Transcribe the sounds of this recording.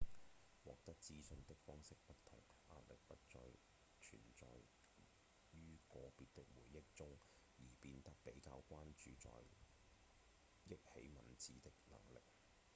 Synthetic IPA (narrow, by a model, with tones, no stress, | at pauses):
wɔː˨k̚t̪ɐ˥k̚t͡siː˥sɵ˧nt̪ɪ˥k̚fɔː˥ŋsɪ˥k̚pɐ˥tt̪ʰɐ˨˩ŋʔaː˧˥t̚lɪ˨k̚pɐ˥t̚t͡ʃɔː˧j | t͡ʃʰy̰ː˨˩nt͡sɔ̰ː˨˧j | jyː˥kɔː˧piː˨˧t̚t̪ɪ˥k̚wuː˨˩jːɪ˥k̚t͡sʊ˥ŋ | jiː˨˩piː˧nt̪ɐ˥k̚pe˨˥jkaː˧wkʷaː˥nt͡ʃyː˨t͡sɔ̰ː˨j | jɪ˥k̚hḛ˨˥jmɐ˨˩nt͡siː˨t̪ɪ˥k̚lɐ̰˨˩ŋlɪ˨k̚